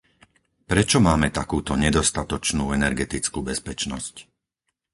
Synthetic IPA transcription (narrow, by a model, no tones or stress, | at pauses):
pɾɛt͡ʃɔmaːmɛt̪akuːt̪ɔɲɛd̪ɔst̪at̪ɔt͡ʃnuːɛnɛɾɡɛt̪it͡skuːbɛspɛt͡ʃnɔsc